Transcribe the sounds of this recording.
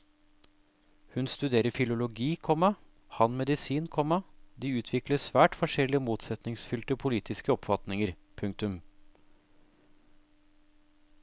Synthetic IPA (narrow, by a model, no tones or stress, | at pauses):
hʉnst̪ʉd̪eːɾəɾfɪlʊlʊɡiːkʰɔmɑ | hɑnmɛd̪ɪsiːnkʰɔmɑd̪iːʉːt̪ʰʋɪkləsʋæːʈfɔʂɛlːɪəmuːt̪sɛt̪nɪŋsfʏlt̪əpʰʊliːt̪ʰɪskəɔpfɑt̪nɪŋəɾ | pʰʉŋkt̪ʉm